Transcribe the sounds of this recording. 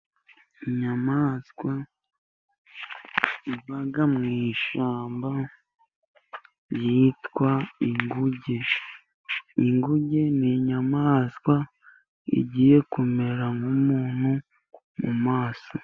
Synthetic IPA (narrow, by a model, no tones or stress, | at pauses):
iɲamaːskwa | iβaɡamŋiːʃaːmba | ɾjiːtkwaiŋɡuɟe | iŋɡuɟeniɲamaːskwa | ḭɟiːje̞kume̞ɾaŋɡumuːn̥hu | mṵmaːso